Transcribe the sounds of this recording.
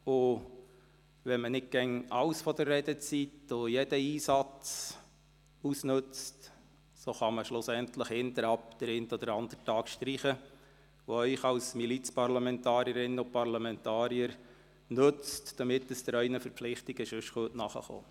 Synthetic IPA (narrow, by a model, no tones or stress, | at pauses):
ʊ | ʋɛnmənɪt̚ɡ̥ɛŋɑ̰wsfɔd̪əɾːɛdət͡sitojɛd̥əiːsɑt͡s | usnɵt͡st | soχɑməʃlʊsɛnt̪ləχhɪnt̪əɾɑpd̥əɾeɪnt̪ɔd̪əɾɑnd̪̥əɾtɑːkʃt̪ɾiχə | ʋoœʏχɑwsmilit͡spɑrlɑmɛntɑːɾiəɾɪnːəʊpɑrlɑmɛntɑːɾiəɾ | nɵt͡std̥ɑmɪtəsd̥əɾœɪnəfəɾpflɪχt̪iɡ̥əʃɵʃχutnɑχə̰χo̰ː